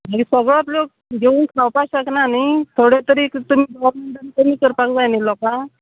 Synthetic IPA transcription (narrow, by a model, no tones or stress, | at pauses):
maɡisəɡɭap̬lok̚ | ɡeunkʰawpaɕaknanit̪ʰoɽet̪əɾiːkt̪um̤iːbɾməɳɖ̪əɾkəmiːkəɾpakd͡zajnilɔka